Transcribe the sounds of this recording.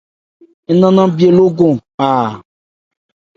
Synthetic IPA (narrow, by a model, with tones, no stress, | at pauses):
e˦nã˦nã˦bi˦e˨lo˦ɡõ˨a˨